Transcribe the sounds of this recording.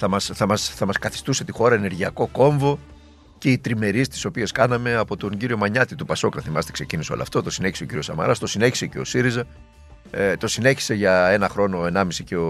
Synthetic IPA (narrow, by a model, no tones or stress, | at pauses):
θɐmɐsθɐmɐsθɐmɐskɐθi̥st̪use̞t̪ixo̞ɾɐe̞ne̞ɾʝiɐko̞ko̞ɱvo̞ | ce̞it̪ɾime̞ɾist̪i̥so̞pie̞skɐnɐme̞ɐpo̞t̪o̞ɲɟiɾio̞mɐɲɐt̪it̪upɐso̞knɐθimɐst̪ekse̞ciniseo̞̰lo̰ft̪o̞t̪o̞sine̞çiseociɾio̞sɐmɐ̰ɾɐst̪o̞sine̞çi̥seceosiɾizɐ | t̪o̞sine̞çi̥se̞ʝɐe̞nɐxɾo̞no̞e̞nɐmisiceo